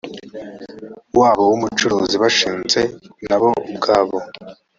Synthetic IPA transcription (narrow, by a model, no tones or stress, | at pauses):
waːβo̞wumut͡ʃuɾuːziβaʃiːnze̞naβo̞ubɡaːβo̞